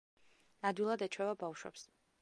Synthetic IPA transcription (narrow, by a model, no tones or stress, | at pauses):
ad̪wilˠad̪ɛt͡ʃʰwɛvabawʃwɛ̰ps